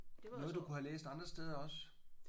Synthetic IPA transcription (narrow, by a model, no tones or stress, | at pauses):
nɔð̞̩ˠd̥ukʰuhælḛːsd̥ɑ̈nd̥ʁɐsd̥eːð̞ˠɐɒ̽s